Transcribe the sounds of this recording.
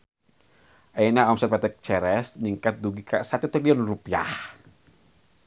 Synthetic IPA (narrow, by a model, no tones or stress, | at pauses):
ʔajnaɔmsɛt̪̚pat̪ɛk̚t͡ʃɛɾɛsniŋkat̪̚d̪uɡikaʔsat̪ut̪ɾiliɔnrupia̰h